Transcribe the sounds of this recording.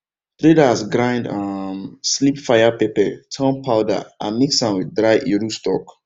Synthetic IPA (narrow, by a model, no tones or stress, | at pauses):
tɾedasɡɾãɪ̃ndʌmslipfaɪjapepɛtʰɔ̃npʰaʊda̰ʔamiksãnwidɹaɪʔiɹustɔk